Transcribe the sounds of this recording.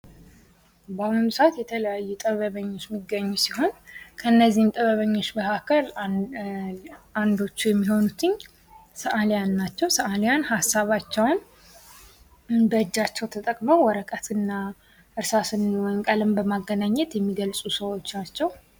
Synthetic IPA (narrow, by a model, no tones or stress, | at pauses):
banɨmsat̪jɛt̪ʰələjajːɛt̪ʼəβəβəɲːo̞t͡ʃːmiɡːəɲːusiho̞nkʰəɨnːəzːihmt̪ʼəβəβəɲːo̞t͡ʃːbəhakʰəl | and̪o̞t͡ʃːujɛmːiɦo̞nut̪ʰɨɲː | səʔaljanːat͡ʃːɛwsəʔaljanhasːaβat͡ʃːɛwn | bəɨd͡ʒːat͡ʃːɛwt̪ʰət̪ʼəkʼməwwɔɾəkʼət̪ʰɨnːa | ʔɨɾsasɨnwŋkʼəlɨmbəmaɡːənaɲːɛt̪jɛmːiɡəlsʼusəwo̞t͡ʃːat͡ʃːɛw